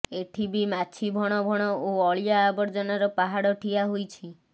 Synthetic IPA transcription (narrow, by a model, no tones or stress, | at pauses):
eʈʰibimat͡ʃʰibʱɔɽ̃ɔbʱɔɽ̃ɔoɔɭijaːbɔɾd͡ʒɔnaɾɔpaɦaɽɔʈʰiaɦojt͡ʃʰi